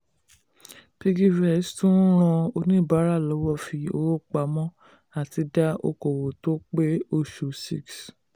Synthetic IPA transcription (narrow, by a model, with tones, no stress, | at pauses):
pi˧ɡi˦vɛ˦˨˦stũ˦ɾ̃ɔ̃˧o˧nĩ˦˨ba˨˦ɾa˦˨lɔ˨˦wɔ˦˨fi˧o˧˦wo˦k͡pa˧˦mɔ̃˦ | a˦˨ti˧da˦o̰˧ko˨wo˨to˦k͡pe˦o˧ʃu˨si˦˨ks